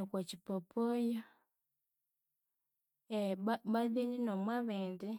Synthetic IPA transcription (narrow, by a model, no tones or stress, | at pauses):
kwat͡ʃipɔpʰɔjɔ | ɛbaðininɔmwaβɛndi